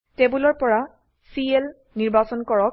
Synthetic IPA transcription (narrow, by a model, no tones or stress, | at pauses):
tebulɔɹpɔɹa | siel | niɹbasɔnkɔɹɔk̚